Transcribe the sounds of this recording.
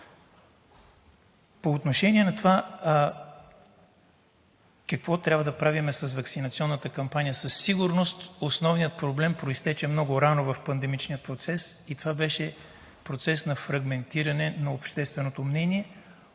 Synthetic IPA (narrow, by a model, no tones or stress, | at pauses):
poːt̪noʃɛniɛnɐt̪ova | kɐkvɔt̪ɾʲabvəd̪ɐpɾavimɛsɐsvɐksinɐt̪siɔnːət̪əkɐmpanʲijəsɐsːiɡʊɾnost̪osnɔvnijət̪̚pɾoblɛmpɾoist̪ɛt͡ʃɛmnɔɡʊɾanovɐfpɐnd̪ɛmit͡ʃnijət̪̚pɾot̪sɛsit̪ovabɛʃɛ | pɾot̪sɛsnɐfɾɐɡmɛnt̪iɾɐnɛnɐopʃt̪ɛst̪vɛnot̪omnɛniɛ